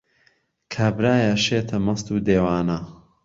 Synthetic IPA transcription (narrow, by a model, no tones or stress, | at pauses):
kʰaːbɾaːjɐʃeːt̪ʰɐmɐst̪uːd̪eːwaːnɐ